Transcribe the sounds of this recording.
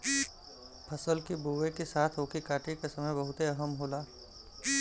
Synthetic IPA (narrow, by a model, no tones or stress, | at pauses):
pʰɐsəlkibuːʋekesaːt̪ʰɦoːkikaːʈekesɐməjbɐɦʊt̪eɐɦəmɦoːlaː